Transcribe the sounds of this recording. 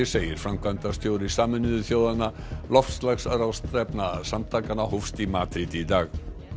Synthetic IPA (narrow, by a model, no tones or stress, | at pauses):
ɛseːjɪɾ̥fɾamkʰant̪ast̪jowɾɪsaːmʏnɪðʏθjoːwðana | lɔfslaxsaɾawst̪ɾɛpnasamt̪ʰaːkanahʊfst̪imaːt̪ɾit̪id̪aːɣ